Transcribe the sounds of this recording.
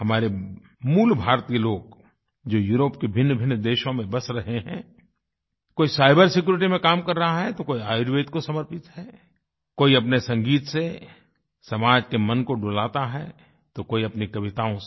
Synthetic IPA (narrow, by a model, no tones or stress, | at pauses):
hɐmaːɾe | muːlbʱaːɾt̪iːloːɡ | d͡ʒoːjuːɾoːpkebʱɪnːbʱɪnːd̪eːʃõmẽbɐsɾɐɦeɦɛ̰̃ː | koːisaːɪbəɾsɪkjuːɾɪʈimẽkaːmkɐɾːɐɦaɦɛt̪okoːiaːɪɖʋeːt̪kosɐməɾpɪt̪ɦɛː | koːiɐpnesɐ̃ŋɡiːt̪se | sɐmaːd͡ʒkemɐ̃nkoɖoːlaːt̪aɦɛː | t̪okoːiɐpnikɐʋɪt̪aːõ